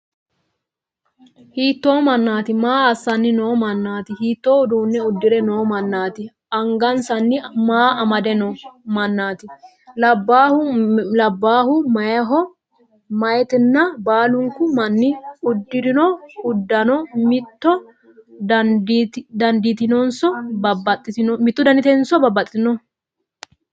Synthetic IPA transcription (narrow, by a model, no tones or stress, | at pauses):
hiːt̪ːoːmɐnːaːt̪ɪmaːɐsːɐnːɪno̞ːmɐnːaːt̪ɪhiːt̪ːoːʊd̪uːnːɛʊd̪ːɪɾɛno̞ːmɐnːaːt̪ɪ | ɐŋɡɐnsɐnːɪmaːɐmɐd̪ɛnɔmɐnːaːt̪ɪ | lɐbːaːhʊlɐbːaːhʊmɐjɐɦɔ | mɐjɛt̪ɪnːɐbaːlʊŋkʊmɐnːɪʊd̪ːɪɾɪnɔʊd̪ːɐnɔmɪt̪ːɔ | dd̪ɐnd̪ɪt̪ɪnɔnsɔbɐbɐt̪ʼːɪtɪnmɪt̪ːʊd̪ɐnd̪ɪt̪ɛnsɔbɐbːɐt̪ʼɪt̪ɪnɔ